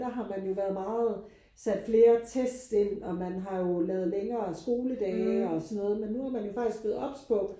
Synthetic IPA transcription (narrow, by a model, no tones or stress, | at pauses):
d̥ɑ̈ɦɑ̈mænjo̝ʋæɐð̞̩ˠmɑ̈ːð̞̩ˠ | sæd̥fle̝ːɐt͡sʰesd̥se̝n̰ɒ̽mænɦɑ̈jo̝lɛːʊð̞̩ˠleŋɐːsɡ̥o̝ːləd̥ɛːɒsɒnːɔ̽ːð̞̩ˠmenːuæɐmænjo̝fɑ̈ɡ̥isɡ̥oð̩ˠɒ̽b̥spʰɒ̽